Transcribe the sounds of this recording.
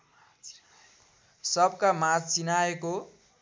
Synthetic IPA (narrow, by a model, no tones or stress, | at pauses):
sʌbkamad͡zt͡sinaeko